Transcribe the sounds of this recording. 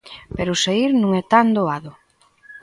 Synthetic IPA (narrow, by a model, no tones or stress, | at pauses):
peɾʊseiɾnũŋɛt̪and̪oaðʊ